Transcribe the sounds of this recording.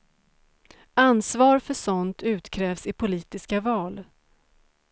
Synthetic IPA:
ansvɑːɾfœʂɔnt̪ʰʉ̟ːt̪kʰɾɛːvsɪpʰʊliːt̪ɪskavɑːl

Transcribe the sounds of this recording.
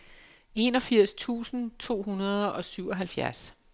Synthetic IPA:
e̝nɒ̽fiɐ̰st͡sʰṵːsn̩t͡sʰo̝̰ːɦunɐð̞ˠʔɒ̽syʊ̰ɒ̽ɦælfjæɐs

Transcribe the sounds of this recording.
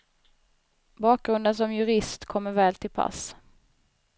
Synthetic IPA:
bɑːk̚ɡ̥ɾɵnd̪əns̬ɔmjɵɾɪst̪kʰɔmːəɾvɛːlt̪ʰɪlpʰa̰s

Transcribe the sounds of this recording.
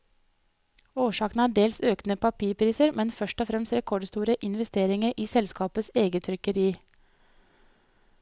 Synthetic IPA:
oːʃɑːknəæːɖeːlsøːknəpʰɑpʰiːɾpʰɾiːsəɾmʔɛnfœʃʈɔfɾɛmst̪ɾɛkʰɔɖst̪uːɾəʔɪnʋɛst̪eːɾɪŋəɾʔiːsɛlskɑːpəseːɡət̪ʰɾʏkəɾiː

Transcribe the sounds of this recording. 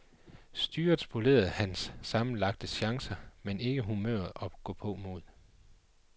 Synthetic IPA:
sd̥yːɐd̥spʰole̝̰ːɐð̩ˠhænsːɑ̈mn̩lɑ̈ɡ̥̚d̥əɕɑ̈ŋsɐmene̝ɡ̥əɦumø̰ːɐðˠɒ̽ɡ̥ɔ̰̽ːpʰɔ̽mo̝ð̰ˠ

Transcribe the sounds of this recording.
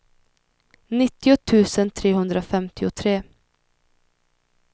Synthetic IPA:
nɪt̪ːɪʊt̪ʰʉ̟ːsənt̪ʰɾeːɦɵnd̪ɾafɛmt̪ɪʊt̪ʰɾeː

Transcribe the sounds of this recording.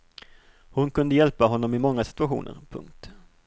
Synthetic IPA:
hʊnkʰɵnd̪əjɛlpaɦɔnːɔmɪmɔŋːasɪ̥t̪ɵaɧṵːnʔə̰ɾpʰɵ̰ŋkt̪

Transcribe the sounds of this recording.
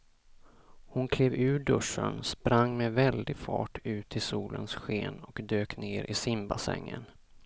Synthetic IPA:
hʊnkʰleːvʉ̟ːɖɵʂːənspɾaŋːmɛvɛld̪ɪɡfɑːʈʰʉ̟ːt̪ʰɪsuːlʔənsɧeːnɔkd̪øːkneːɾʔɪsɪmbasɛ̰ŋːən

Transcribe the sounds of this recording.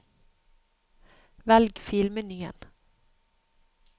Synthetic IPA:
ʋɛlɡfɪlmənyːə̰n

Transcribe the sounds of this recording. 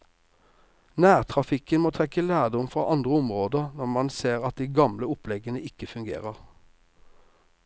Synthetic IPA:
næːʁt̪ʰʁɑfɪkənmoːt̪ʰʁɛkəlæːd̪ɔmfʁɑ̰ːʔɑnd̪ʁəʊmʁoːd̪əʁnɔʁmɑnseːʁɑt̪̚d̪iːɡɑmləʊplɛɡənəɪkəfʉŋɡḛːʁəʁ

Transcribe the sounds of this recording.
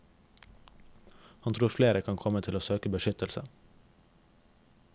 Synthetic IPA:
hɑnt̪ʰɾuːɾfleːɾəkʰɑŋkʰɔmət̪ʰɪloːsøːkəbəʃʏt̪əlsə̰

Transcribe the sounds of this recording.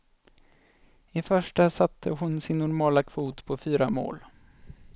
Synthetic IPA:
ɪfœʂʈasat̪ʰːəɦʊnsɪnːɔɾmɑːlakʰv̥uːt̪pʰɔfyːɾamo̰ːl

